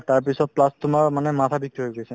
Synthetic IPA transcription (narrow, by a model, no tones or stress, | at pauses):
t̪aɹpisɔt̚plastʊmaɹmanɛmat̪ʰabik̚t̪iɦojɡojsʰɛ